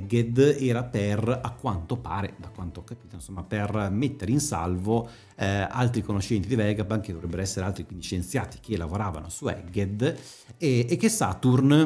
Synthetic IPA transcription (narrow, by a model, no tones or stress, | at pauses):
ɡed̪ɛːɾaperakːwant̪opaːɾed̪akwant̪ookːapiːt̪oinsomːapermet̪ːeɾinsa̰lvo | a̰lt̪ɾikonoʃːɛnt̪id̪ivɛɡapank̟ed̪ovɾɛbːeɾoɛsːeɾealt̪ɾikwind̪iʃent̪sjaːt̪i̥k̟ʰelːavoɾaːva̰nosuɛ̰ɡed̪ | ɛekːesat̪urn